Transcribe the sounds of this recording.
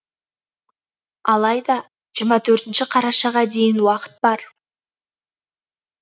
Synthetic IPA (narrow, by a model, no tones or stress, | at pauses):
ɑlˠɑjd̪ɑ | ʒiɾmɑt̪ʰɵɾt̪ɪnʃɪqʰɑɾɑʃɑʁɑd̪e̞jɪnwɑqə̥t̪̚bɑɾ